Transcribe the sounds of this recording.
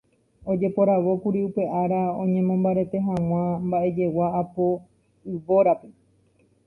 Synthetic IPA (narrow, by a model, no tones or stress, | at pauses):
o̞d͡ʒe̞po̞ɾaʋo̞kuɾiupe̞ʔaɾaõ̞̰ɲẽ̞mõmbaɾe̞t̪e̞ɦãw̃ãmbaʔe̞d͡ʒe̞waːpo̞ | ɨʋo̞ɾape̞